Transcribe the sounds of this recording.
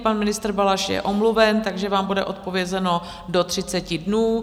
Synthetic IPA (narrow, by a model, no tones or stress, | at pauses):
panmɪnɪst̪r̩balaʃjɛ̰ʔo̞mluvɛnt̪aɡʒɛvaːmbudɛʔo̞t̪̚po̞vjɛzɛno̞ | do̞t̪r̝̥ɪt͡sɛcɪdnuː